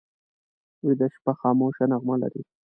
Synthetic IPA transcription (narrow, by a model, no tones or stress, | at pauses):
wid̪aʃpaxɑːmoʃanaɣmala̰ɾi